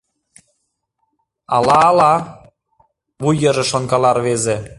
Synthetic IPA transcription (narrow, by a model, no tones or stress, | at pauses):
ɑlɑːlɑ | βujə̆ʒĕʃŏŋkɑlɑrβeze